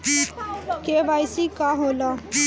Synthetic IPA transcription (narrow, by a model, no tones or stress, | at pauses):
kebajsikaɦolʌ